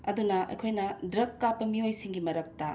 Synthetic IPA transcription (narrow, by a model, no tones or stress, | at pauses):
ɐd̪unɐʔɐ̰jkʰojnɐdɾɐkːapːɐmiojsiŋɡimɐɾɐk̚tɐ